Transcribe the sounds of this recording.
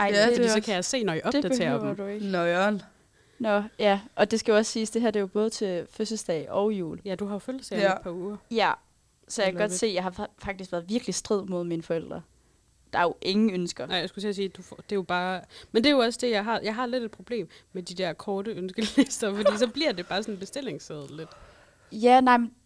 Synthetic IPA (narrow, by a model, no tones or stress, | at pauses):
ɑ̈ɪ̰̥iskʰæjɑse̝̰ːnɒiʔɒ̽bd̥e̥æ̥ḛːɐd̥d̥ueɡ̥nɔɪɔn | nɒjæʔɒ̽d̥e̝sɡ̥æjoɒ̽ssiːsd̥e̝ɦæɐ̰d̥e̝job̥ɔ̽ːð̞ˠt͡sʰe̝føsl̩sd̥ɛɪɒ̽ʊjṵːljæd̥uɦɑ̈joføll̩sd̥ɛpʰɑ̈uːɐjæ | sɒ̽jakʰæɡ̥ɒ̽d̥se̝̰ːjɑ̈ɪɦɑ̈fɑɡ̥̚d̥isɡ̥ʋæɐð̞̩ˠʋiɐɡ̥lisd̥ʁið̞̰ˠmo̝ð̞ˠminəfɒel̰d̥ʁɐ | d̥ɑ̈æɐjo̝ʔe̝ŋn̩ønsɡ̥ɐnaɪ̰jaɪsɡ̥u̥t͡sʰels̬iːd̥ufd̥e̝jo̝b̥ɑ̈ːmend̥ejo̝ɒ̽sd̥e̝jɑɪɦɑ̈jʔɑ̈ɪɦɑ̈le̝d̥ed̥̚pʰʁo̝b̥le̝̰ːmmed̥id̥ɛɐkʰɒːɾəønsɡ̥əlesd̥ɐfɒdḭːsɒ̽b̥liɐ̰d̥e̝b̥ɑ̈ːsɒ̽nenb̥e̝sd̥e̝l̰e̝ŋseð̞ˠled̥ | jænɑ̈ɪ̰mn